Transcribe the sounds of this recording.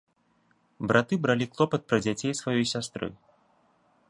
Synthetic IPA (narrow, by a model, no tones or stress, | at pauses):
bɾʔat̪ɨbɾalʲiklˠɔpɐt̪̚pɾɐd͡zʲat͡sʲejsvajɔjsʲast̪ɾɨ̰